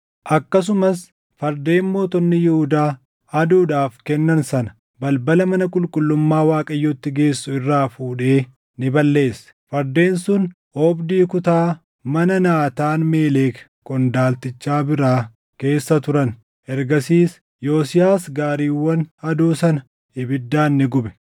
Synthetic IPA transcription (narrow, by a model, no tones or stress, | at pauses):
ʔɐkːɐs̬ʊmɐs | fɐɾd̪e̞ːnmo̞ːt̪ɔnːɪjɪhʊd̪aː | ɐd̪uːᶑaːfkɛnːɐnsɐnɐ̥ | bɐlbɐlɐmɐnɐkʼʊlkʼʊlːʊmːaːwaːkʼɐjːɔt̪ːɪɡe̞ːsːʊɪrːaːfuːᶑe̞ː | nɪbɐlːe̞ːsːfɐɾd̪e̞ːnsʊn | ʔoːbd̪iːkʊt̪aː | mɐnɐnaːt̪aːnme̞ːleːk | kʼɔnd̪aːlt̪ɪt͡ʃːaːbɪɾaː | ke̞ːsːɐt̪ʊɾɐn | ʔɛɾɡɐsiːs | jo̞ːsɪjaːsɡaːɾiːwːɐnɐd̪uːsɐnɐ | ɪbɪd̪ːaːnːɪɡʊbɛ̥